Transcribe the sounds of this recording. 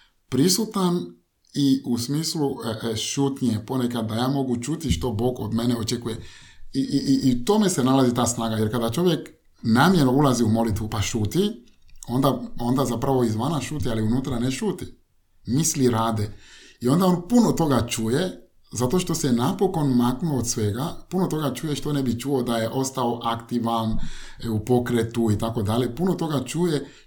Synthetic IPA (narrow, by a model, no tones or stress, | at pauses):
pɾisut̪an | iusmiːsluəʔʃut̪nijepo̞nekad̪̚dːajaːmo̞ɡut͡ʃut̪iʃt̪o̞bo̞ːɡo̰d̪meneot͡ʃekujeiiit̪o̞me̞senalazit̪aːsnaːɡajeɾkad̪at͡ʃo̞ʋjek | namjeloulaziumo̞lit̪ʋupaʃuːt̪i | o̞nd̪ao̞nd̪azapɾaʋo̞izʋanaʃuːt̪ialiunuːt̪ɾaneʃuːt̪i | misliɾaːd̪eio̞nd̪ao̞npunot̪o̞ɡat͡ʃuje | zat̪o̞ʃt̪o̞senapo̞ko̞nmaknuod̪sʋeɡapuno̞t̪o̞ɡat͡ʃuːjeʃt̪o̞nebit͡ʃuod̪aje̞ʔo̞st̪ao̞ʔakt̪iʋanupo̞kɾet̪uit̪ako̞d̪alʎepuno̞t̪o̞ɡat͡ʃuːje